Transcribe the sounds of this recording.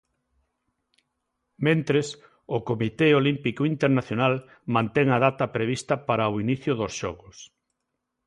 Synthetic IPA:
mẽnt̪ɾes | ʊkomit̪eolimpikoint̪eɾnaθjonal | mãnt̪eŋɐð̞at̪ɐpɾeβ̞ist̪ɐpaɾaoiniθjʊðosʃɔ̰ɣʊs

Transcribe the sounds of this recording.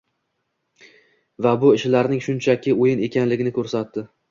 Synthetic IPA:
vabʊɪʃlaɾnɪŋʃʊnt͡ʃʰakʲʰɪojɪne̞kʲʰanlɪɡʲɪnɪkʰɵɾsat̪ːɪ

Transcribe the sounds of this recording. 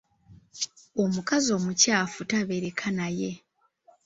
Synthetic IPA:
omukazo̞ːmucaːfutaβe̞ɾe̞kʰanaje

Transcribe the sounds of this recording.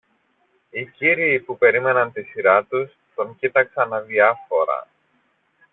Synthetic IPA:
iciɾiːpupe̞ɾime̞nɐnt̪isiɾɐt̪us | t̪o̞ŋcit̪ɐksɐnɐðiɐfo̞ɾɐ̰

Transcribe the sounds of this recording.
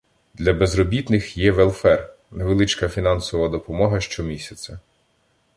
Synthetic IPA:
d̪lʲɐbezɾɔbʲit̪nɪxjɛʋɛlˠfɛr | neʋelˠɪt͡ʃkɐfʲinɑnsɔʋɐd̪ɔpɔmɔɦɐʃt͡ʃɔmʲisʲɐt͡sʲɐ

